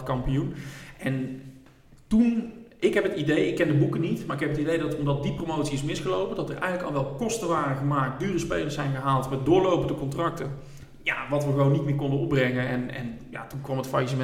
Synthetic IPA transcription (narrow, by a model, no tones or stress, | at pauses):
kɑmpijunʔɛn | tunɪkɦɛpɦətidejɪkːɛndəbukənitmaːrɪkɦɛpətidejdɑtɔmdɑt̚diprowmowtsiɪsmɪsxəlowpədɑtərɛ̰jɣənləkɑlˠʋɛlˠkɔstəʋaːrəɣəmaːk̚t̚dyːrəspejlərsɛjnɣəɦaːlˠtmɛdʊːɹlowpəndəkɔntrɑk̚tə | ja̰ʋɑtʋəɣəʋownːitmɪːɹkɔndənɔp̚brɛŋənɛnɛ̰nja̰tunkʋɑmətfajisəmɛ